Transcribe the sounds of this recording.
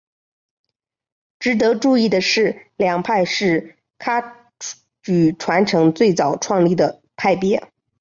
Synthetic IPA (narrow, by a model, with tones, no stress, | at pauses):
ʈ͡ʂɻ̩˧˥t̪̬ɤ˧˥ʈ͡ʂu˥˧i˥˩d̪ə˩ʂɻ̩˥˩ljɑ˨˩ŋpʰa˥˧ɪʂɻ̩˥˩ | kʰa˥ | t͡ɕy˨˩ʈ͡ʂʰwa˧˥nʈ͡ʂʰɤ˧˥ŋt͡swe˥˩ɪt͡sɑ˨˩ʊʈ͡ʂʰwɑ˥˧ŋli˥˩d̪ə˩ | pʰa˥˩ɪpjɛ˧˥